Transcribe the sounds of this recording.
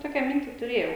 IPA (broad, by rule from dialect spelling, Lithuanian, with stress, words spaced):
ˈtoːkʲɛ ˈmʲɪnʲtʲɪ tʊˈrʲeːjɛʊ